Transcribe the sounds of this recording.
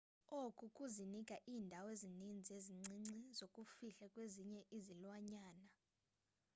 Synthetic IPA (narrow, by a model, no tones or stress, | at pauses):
okʼukʼuzinikʼaʔiːndʱawezinind͡zʱeziŋ͡ǀʱiŋ͡ǀizokʼufiɬakʼweziɲɛʔizilwaɲaːna